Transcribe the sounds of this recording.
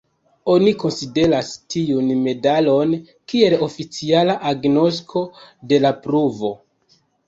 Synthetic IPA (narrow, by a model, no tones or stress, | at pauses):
o̞niko̞nside̞ɾastiunme̞dalo̞n | kie̞lo̞fit͡sialaʔaɡno̞s̬kʰo̞de̞lapɾuvo̞